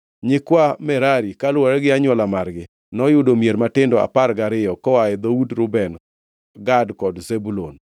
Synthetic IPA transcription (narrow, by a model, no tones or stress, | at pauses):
ɲɪkwamɛɾaɾikalwaɾɛɡɪaɲwɔlamarɡɪ | nɔjʊdomjeɾmatɪndɔa̰parɡaɾɪjɔkɔwaɛd̪audɾʊbɛn | ɡadkɔdzebulo̰n